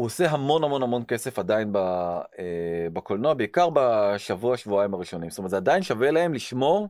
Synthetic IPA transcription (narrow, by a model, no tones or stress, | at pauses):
huose̞ɦamo̞nhamo̞nhamo̞nke̞se̞fadainbaebakolnoabeikaʁbaʃavuaʃvuaimaʁiʃo̞nimstometzeadainʃavelae̞mliʃmo̞ʁ